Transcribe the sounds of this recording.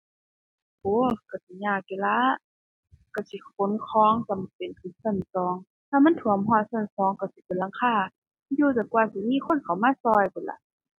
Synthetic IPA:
ʔoː˧˦ka˧˩si˧˦˨ɲaː˧˩k̚ke˧la˧˥ | ka˧˩si˧˦kʰo˨˦nkʰɔː˧˦˨ŋt͡sa˧˩m˨pe˨nkʰɯː˧˩˨nsa˧˩˨nsɔː˨˦ŋ | t̪ʰaː˧ma˧˥˨nt̪ʰu˨˦ə˦mɦɔː˧˩˨n̚sa˧˩˨nsɔː˨˦ŋka˧˩wsi˧˦pe˨nla˧˥ŋkʰaː˧˩˥ | juː˧˨ta˨˩kwaː˧˩si˧˨miː˧˥˨xʰo˧˥˨nkʰa˨˩wmaː˧˥˨sɔː˧˩jpʰɯ˧˨˩la̰˧˦˨

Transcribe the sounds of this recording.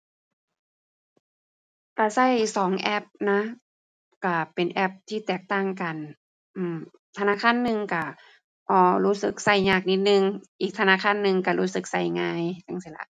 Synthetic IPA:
ka˧˩sa˧˥˩jsɔː˨˩˦ŋʔɛ˧˥˩p̚na˦˥ | ka˧˩pe˨nʔɛ˧˩p̚t̪ʰiː˧˥˩t̪ɛː˨˩k̚t̪aː˧˩ŋka˨˩n | ʔɯː˧˩m | t̪ʰnaː˧˥˨kʰaː˧˥˨nːɯ˧ŋka˧˩ | ʔɔː˧˩ɾuː˦˥˩sɯ˧˩k̚sa˧˩jɲaː˧˩k̚ni˦˥t̪̚nɯ˧ŋʔiː˨˩k̚t̪ʰa˧naː˧˥˨kʰaː˧˥˨nːɯ˧ŋka˧˩ɾuː˧˥sɯ˨˧˦k̚sa˧˩jŋaː˧˥jt͡ɕa˧˩˨ŋsi˧˩la̰˧˩ʔ

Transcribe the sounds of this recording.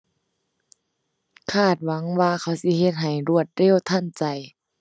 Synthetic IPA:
kʰaː˧˩t̪̚wa˨˦ŋwaː˧kʰa˧˥˩wsi˧˦ɦe˧t̪̚ɦa˨˩jɾu˧˩ət̪̚ɾeː˧˥˨wt̪ʰa˧˥˨nt͡ɕa˨˩j

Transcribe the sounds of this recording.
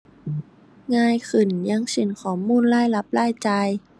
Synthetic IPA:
ŋaː˧jkʰɯ˨˩nɲa˧˥ŋse˨˦nkʰɔː˨˦mːuː˧˥˨nlaː˥˩jla˧˦˥p̚laː˥˨jt͡ɕa˧j

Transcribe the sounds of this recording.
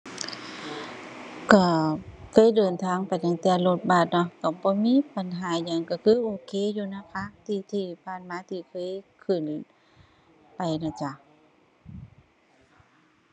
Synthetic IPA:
ka˧˩kʰɤː˧˥˨jdɤː˨˩nt̪ʰaː˧˥˨ŋpa˨jt̪a˨˩ŋt̪ɛː˧˩lo˧˩t̪̚baː˧˩t̪̚nɔ˧kɔː˧˩bɔː˧˦miː˧˥˨pa˨nɦaː˨˦ɲaː˧˩ŋka˧˩kʰɯː˧˥˨ʔoː˧˩kʰeː˧˥˨juː˧˨na˧˥˨pʰaː˧˥˨k̚t̪ʰiː˧˩t̪ʰiː˧˩pʰaː˧˩˨nmaː˧˦t̪ʰiː˧˩kʰɤː˧˥˨jkʰɯ˧˩n | pa˨˩jna˧˩t͡ɕa˧˩

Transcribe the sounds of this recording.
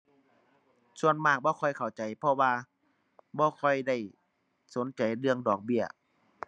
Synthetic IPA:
su˧ənmaː˧˩k̚bɔː˧˦kʰɔ˧˩jkʰa˨˩wt͡ɕa˨˩jpʰɔ˧waː˧ | bɔː˧˦kʰɔ˧˩jda˧˥˩j | so˨˦nt͡ɕa˨˩jlɯ˧əŋdɔː˨˩k̚bi˧˩ə

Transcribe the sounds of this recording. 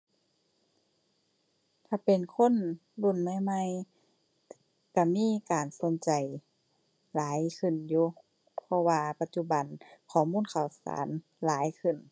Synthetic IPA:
t̪ʰaː˧˩pe˨nkʰo˧˥˨nlu˧˩˨nma˧˥˨jma˧˥˨j | ka˧˩miː˧˥˨kaː˨nso˨˧˦nt͡ɕa˨j | laː˨˦jkʰɯ˧˩njuː˧˩ | pʰɔ˧waː˧pa˧t̪̚t͡ɕu˧ba˨nkʰɔː˨˩muː˧˥˨nkʰa˧˩wsa̰ː˨˦n | laː˨˦jkʰɯ˧˩˨n

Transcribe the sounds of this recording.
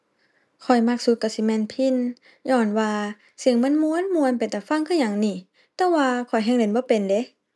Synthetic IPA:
kʰɔ˨˩jma˧k̚su˧˦t̪̚ka˧˩si˧˦mɛː˧˨npʰi˧˥˨n | ɲɔː˧˩nwaː˧ | si˧˩ə˨ŋma˧˥˨nmu˧˨ə˨nmu˧ə˨npa˨˩jt̪ɛː˧˩fa˧˥˨ŋkʰɯ˧˥˨ɲa˧˩ŋniː˧˩ | t̪ɛː˧˦waː˧kʰɔ˨˩jɦɛː˧˥˨ŋde˨˦nbɔː˧˦pe˨nde˧˦

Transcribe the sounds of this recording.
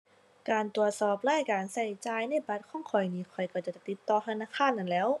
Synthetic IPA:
kaː˨˩nt̪u˨˩ət̪̚sɔː˧˩p̚laː˧˥˨jkaː˨˩nsa˧˩jt͡ɕaː˧˥jna˧˥˨jba˧˥t̪̚kʰɔː˧˥˩ŋkʰɔ˨˩jniː˧˥˩kʰɔ˨˩jka˧˩t͡ɕa˧˩t͡ɕa˧˩t̪i˧˥p̪̚t̪ːɔː˧t̪ʰa˧naː˧˨kʰaː˧˥˨nːa˧˩˨nlɛː˧˥w

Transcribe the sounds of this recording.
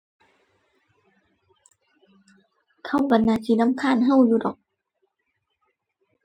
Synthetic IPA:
kʰa˧˩˨wba˨˩nːaː˧˩siː˧˦na˧˥˨mkʰaː˧˥˨nɦa˧˥˨wjuː˧˩dɔː˨˩k̚

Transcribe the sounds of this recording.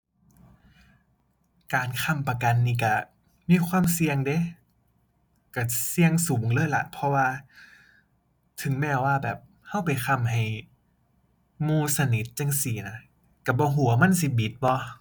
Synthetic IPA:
kaː˨nkʰa˧˩˨mpa˧ka˨nːiː˧˩ka˧˩ | miː˧˥˨xʰwaː˧˥˨msi˧əŋde˧˦ | ka˧˩si˧əŋsuː˨˩˦ŋlɤː˧˥˨jla̰˨˧˦pʰɔ˧waː˧ | t̪ʰɯ˨˩˦ŋmɛː˧˩waː˧˩bɛː˨˩p̚ | ha˧˥˩wpa˨jxʰa˧˩mɦa˨˩j | muː˧˩sa˧ni˨˦t̪̚t͡ɕa˧˨ŋsi˨˩˦na˧˥ | ka˧˩bɔː˧˦ɦu˨˩˦ɐma˧˥˨nsi˧˦bi˨˦t̪̚bɔ˧˦

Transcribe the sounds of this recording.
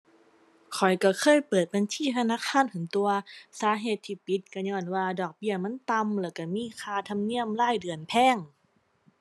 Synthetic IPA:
kʰɔ˨˩jka˧˩kʰɤː˧˥˨jpɤː˨˩t̪̚ba˧˨nt͡ɕʰiː˧˥˨t̪ʰa˧naː˧˥˨kʰaː˧˥˨npʰɯ˨˦ŋt̪u˧ɐsaː˨˦ɦeː˨˩t̪ʰːiː˧˩pi˧˦t̪̚ka˧˩ɲɔː˧˩˨nwaː˧dɔː˨˩k̚bi˧˩ɐma˧˥˨nt̪a˧mlɛː˧˩wka˧˩miː˧˥˨kʰaː˧t̪ʰa˧mni˧˥˨əmlaː˧˥˩jdɯ˨˩ənpʰɛː˧˥˨ŋ

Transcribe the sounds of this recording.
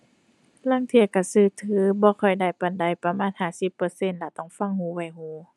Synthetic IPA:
la˧˥˨ŋt̪ʰi˧˩əka˧˩sɯː˧˩t̪ʰɯː˨˧˦bɔː˧˦kʰɔ˧˨˩jda˧˩jpa˧˩nda˧˩jpa˧maː˧˥˨nhaː˧˩˨si˧˦pːɤː˧se˧˨nla˧˩t̪ɔ˧˩ŋfa˧˨ŋhuː˧˦wa˧˩jhuː˧˦

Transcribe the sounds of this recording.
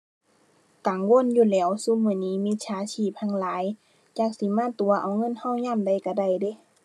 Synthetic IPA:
kaː˨˦ŋwo˧˥˨njuː˧˩˨lɛː˧˩wsu˧˥˨mɯː˧˨niː˧˥˨miː˧˥˨t͡ɕʰaː˨˧˦t͡ɕʰiː˧˥˨p̚t̪ʰa˧˨ŋlaː˨˦j | t͡ɕaː˧˩k̚si˧˦maː˧˥˨t̪u˨˦ɐʔa˨˦wŋɤ˧˥˨nha˧˥˨wɲaː˧˥˨mda˧˩jka˧˩da˧˩˨jde˧˦

